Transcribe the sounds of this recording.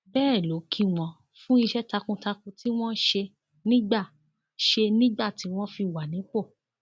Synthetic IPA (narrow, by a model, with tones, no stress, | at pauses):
bɛː˦˨lo˨˦kʰi˦w̃ɔ̃˧ | fũ˦i˧ʃɛ˦ta˧kũ˧ta˧kũ˧tʰi˦w̃ɔ̃˦ʃe˧ | nĩ˦ɡ͡ba˦˨ | ʃe˧nĩ˦ɡ͡ba˦˨ti˨˦w̃ɔ̃˦fi˧˨wa˨nĩ˨˦k͡po˦˨